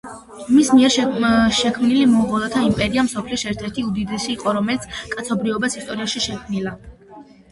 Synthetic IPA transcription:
mismiɛɾʃʃɛkʰmnilimɔʁɔlˠat̪ʰaimpʼɛɾiamsɔpʰlisɛɾt̪ʰɛɾt̪ʰiud̪id̪ɛsiːqʼɔɾɔmɛlit̪sʰkʼat̪sʰɔbɾiɔbasist̪ʼɔɾiaʃiʃɛkʰmnila

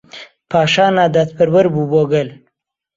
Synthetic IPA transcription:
pɑːʃɑːnaːd̪at̪pəɾwəɾbuboɡəl

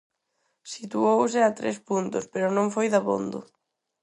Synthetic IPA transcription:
sit̪uows̬ɪat̪ɾḛspunt̪ʊspeɾʊnõŋfojðaβo̰nd̪ʊ̰

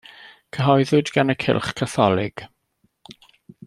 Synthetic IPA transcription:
kʰəɦɔjðʊdɡanəkʰɪ̰lˠχkʰaθɔlˠɪɡ̥

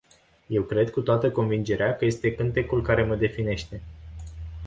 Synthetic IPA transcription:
je̞wkɾe̞d̪̚kut̪oat̪əko̞nvind͡ʒe̞ɾeakəje̞st̪e̞kɨnt̪e̞kulkaɾe̞məd̪e̞fine̞ʃt̪e̞

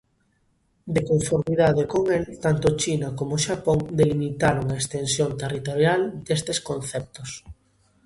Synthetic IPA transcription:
d̪ekoɱfoɾmiðaðekoŋelt̪ant̪ʊt͡ʃinakomoʃapoŋd̪elimit̪aɾoŋaekst̪ensjont̪erit̪oɾjald̪̥est̪eskon̟θɛp̚t̪os

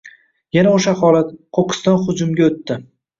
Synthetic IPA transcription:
janaoʃahɒlat̪qʰoqʰɨ̥st̪ɒnχʊd͡ʒʊmɡʲaot̪ːɪ

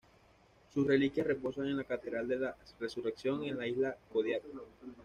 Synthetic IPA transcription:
susre̞likjasrepo̞saŋe̞nlakat̪e̞ðɾald̪e̞lare̞sure̞ksjo̞ŋe̞nlaizlako̞ð̞jaka

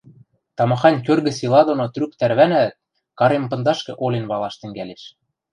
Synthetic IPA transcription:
t̪ɑmɑxɑnʲkørɣɘ̆silɑd̪onot̪rykt̪æɾβænæt̪̚ | kɑɾempɤ̆nd̪ɑʃkĕʔolʲenβɑlɑʃt̪ɘ̆ŋɡæleʃ

